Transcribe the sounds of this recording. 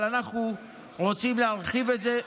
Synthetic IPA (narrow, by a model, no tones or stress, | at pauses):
lanaχnu | ʁo̞t͡simleɦaʁχive̞tze̞